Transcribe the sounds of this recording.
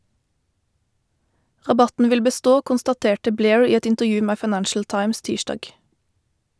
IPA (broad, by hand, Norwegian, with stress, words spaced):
ʁɑˈbɑtn̩ ˈʋɪl bəˈstoː kʊnstɑˈteːʈə ˈbleːɹ ˈiː ˈɛt ɪntəʁˈjʉː ˈmeː fɑɪˈnænʃl̩ ˈtɑɪms ˈtiːʃdɑːɡ